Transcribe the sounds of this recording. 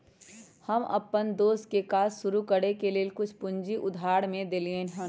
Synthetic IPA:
həmɐ̰pːənd̪oːst̪̚kekaːsʃʊɾukəɽekelelkʊt͡ʃʰpʊ̃ɲd͡ʒiʔʊd̪ʱaːɽmẽd̪eːliẽɦ

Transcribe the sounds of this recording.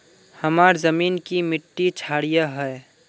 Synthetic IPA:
həmaːɾzəmiːnkimɪʈːit͡ʃʰaːɽijaɦɛ

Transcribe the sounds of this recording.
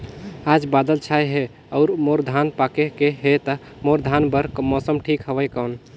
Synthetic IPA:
ad͡ʒbad̪əlt͡ʃʰajɦe | ɔʊɾmoɾd̪ʱanpakekeɦet̪ə | moɾd̪ʱanbəɾmɔsəmʈʰikɦəʋəkən

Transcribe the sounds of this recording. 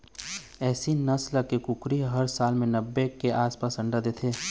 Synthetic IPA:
ɛːsinɐsləkekʊkɾiɦɐɾsaːlmẽnɐbːekeʔaːspaːsɐ̃ɳɖad̪et̪ʰeː

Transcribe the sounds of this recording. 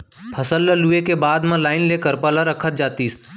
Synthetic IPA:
pʰəsəlːəluekebaːd̪mãlaːɪnleːkəɾpəlaɾəkʰət̪̚d͡ʒaːt̪iːs

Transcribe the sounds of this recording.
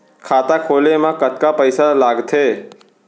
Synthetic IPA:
kʰaːt̪akʰoːlemãkət̪̚kapəɪsalaːɡt̪ʰeː

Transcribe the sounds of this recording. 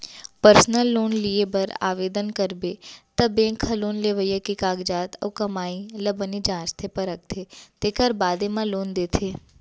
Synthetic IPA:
pəɾsnəlːoːnliebɐɾa̰ːʋeːd̪ənkɐɾbet̪ɐbẽːkʰɐloːnleʋəjəkikaːɡd͡ʒaːt̪ɔ̰ːkɐmaːilɐbənid͡ʒãːst̪ʰepɐɾɐk̚t̪ʰet̪eːkəɾbaːd̪emãloːnd̪eːt̪ʰeː

